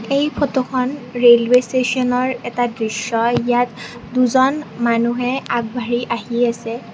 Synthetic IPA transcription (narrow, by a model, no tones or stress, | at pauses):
ejpʰɔtokʰɔnɹelwestesɔnɔɹɛtadɹisjɔjat | duzɔnmanuɦɛaɡ̚bʱaɹiʔaɦiasɛ